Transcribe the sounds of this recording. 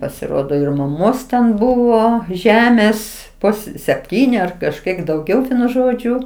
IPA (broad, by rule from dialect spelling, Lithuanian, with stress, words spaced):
pɐsʲɪˈroːdoː ɪr mɐˈmoːs tʲɛn ˈbʊʋoː ˈʒʲæːmʲeːs ˈpʊs sʲɛpʲˈtʲiːnʲɪ ɐr kɐʃʲˈkʲiɛk dɐʊˈɡʲɛʊ ˈʋʲiɛnʊ ˈʒoːd͡ʒʲʊ